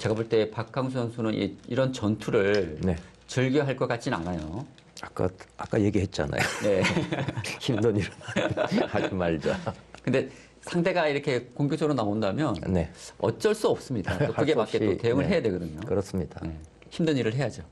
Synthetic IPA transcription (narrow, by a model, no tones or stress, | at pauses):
t͡ɕe̞ɡaboɭt͈e̞pak͈ʰaŋs̬ʰʌnsʰunɯnʔḭiɾʌnt͡ɕʌntʰuɾɯɭne̞ | t͡ɕɯɭɡjʌɦaɭk͈ʌk͈at͡ɕ͈ina̰najo | ak͈a̰ak͈aje̞ɡiɦet̚t͡ɕ͈a̰na̰jone̞ | çimdɯɲiɾɯnhaumaɭd͡ʑakɯnde̞ | sʰaŋdʰe̞ɡaiɾʌkʰe̞koŋɡjod͡ʑʰʌɡɾonaondamjʌnne̞ʌ̰t͡ɕ͈ʌɭs͈uʌp̚s͈ɯmɲidat͈okɯɡemakkeote̞joŋɯɭɦe̞jadwe̞ɡʌdɯɲokɯɾʌs͈ɯmɲid̥ane̞ | çimdɯnɲiɾɯɭɦe̞jad͡ʑo